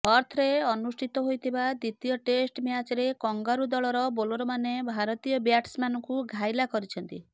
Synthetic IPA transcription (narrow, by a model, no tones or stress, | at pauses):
ɔɾt̪ʰɔɾeɔnusʈʰit̪ɔɦojt̪ʰibad̪it̪ijɔʈesʈmjat͡ʃɔɾekɔŋɡaɾud̪ɔɭɔɾɔboloɾɔmanebʱaɾɔt̪ijɔbjaʈsmanɔŋkuɡʱajlakɔɾit͡ʃʰɔnt̪ḭ